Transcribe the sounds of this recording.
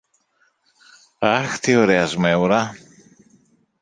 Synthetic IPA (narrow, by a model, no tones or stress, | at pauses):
ɐxt̪ioɾeɐzmewɾɐ